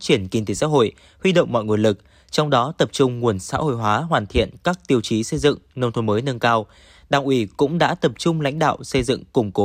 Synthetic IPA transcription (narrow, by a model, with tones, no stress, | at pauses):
t͡ɕi˧˩ənki˧nt̪e˨˦sa̰ː˧˥ɦo̰˧˨j | hwi˧ɗə̰˧˨wŋ͡mmɔ̰˧˨jŋu˨˩əlɨ˨˩k̚ | t͡ɕɔ˧wŋ͡mɗɔ˨˦t̪ə˨˩p̚t͡ɕʊ˧ŋ͡mŋu˨˩ənsa̰ː˧˥ho̰˧˨jɦwaː˨˦ɦwaː˨˩nt̪ʰḭ˧˨ənkaː˦˥k̚t̪i˧əwt͡ɕi˨˦sə˧jzɨ̰˧˨ŋnə˧wŋ͡mt̪ʰo˨˦məː˨˦jnə˧nkaː˧w | ɗaː˨˩wʔi˨˦kʊ̰˧˥ŋ͡mɗa̰ː˧˥t̪ə˨˩p̚t͡ɕʊ˧ŋ͡mla̰˧˥jŋ̟ɗa̰ː˧˨wsə˧jzɨ̰˧˨ŋkʊ˨˩ŋ͡mko˨˦